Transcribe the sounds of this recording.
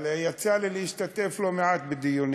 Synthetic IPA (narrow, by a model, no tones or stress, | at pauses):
ljat͡salilehiʃt̪at̪eflo̞meat̪bed̪ijun